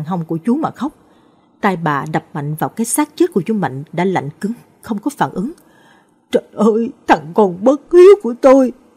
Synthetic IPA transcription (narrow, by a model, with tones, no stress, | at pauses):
ŋɦə˧wŋ͡mku˧˩ət͡ɕu˨˦maː˨˩xə˦˥wk͡p̚ | t̪aː˧jɓaː˨˩ɗa˨˩p̚ma̰˧˨jŋ̟vaː˨˩wkaː˨˦jsaː˦˥k̚t͡ɕə˦˥t̚ku˧˩ət͡ɕu˨˦mə̰˧˨jŋ̟ɗa̰ː˧˥la̰˧˨jŋ̟kɨ˨˦ŋ | xə˧wŋ͡mkɔ˨˦faː˧˩nʔɨ˨˦ŋ | t͡ɕə̰ː˧˨nʔəː˧jt̪ʰa˧˩ŋkɔ˨˩nɓə˦˥t̚ʔi˨˦əwku˧˩ət̪o˧j